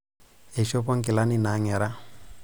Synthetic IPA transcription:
ɛ˨ʃɔ˦pɔ˦ŋ̩˦kɪ˨la˦ni˦na˨˦ŋɛ˨ɾa˦

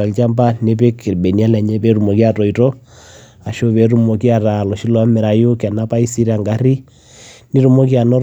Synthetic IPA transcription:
a˨lt͡ʃa˦mba˦ne˦pe˦ki˨ɾbe˨ni˨˦a˦la˨ɲe˦pɛ˦ɾu˨mɔ˨kja˦tɔ˨i˨tɔ˦ | a˨ʃo˦βɛ˨ɾu˦mɔ˨ki˦a˨ɾa˨lɔ˨ʃi˦lwa˨˦me˨ɾa˨jo˦kja˨na˦pa˦i˦si˦ɾa˨ŋɡa˨ɾi˦ | ni˦ɾu˦mɔ˦k̬ja˨nɔ˦ɾ

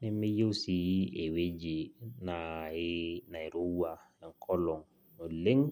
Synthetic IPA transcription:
ni˦mi˦jo˦si˨ji˦e˨we˦d͡ʒe˨na˨˦ | na˨i˨ɾo˦wa˨ | e˨ŋ˨kʰɔ˦lɔ˨ŋ | o˨le˦ŋ

